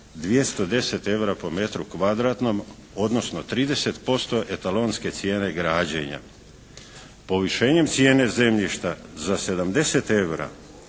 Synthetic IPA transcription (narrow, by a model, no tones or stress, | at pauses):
d̪ʋije̞st̪o̞d̪e̞se̞t̪e̞ʋɾapo̞me̞t̪ɾukʋad̪ɾat̪no̞m | o̞d̪no̞sno̞t̪ɾiːd̪e̞se̞t̪po̞st̪o̞ʔet̪alo̞nske̞t̪sje̞ːne̞ɡɾaːd͡ʑḛɲa̰ | po̞ʋiʃe̞ːɲe̞mt̪sje̞ːne̞ze̞mʎiʃt̪azase̞d̪amd̪e̞se̞t̪e̞ʋɾa̰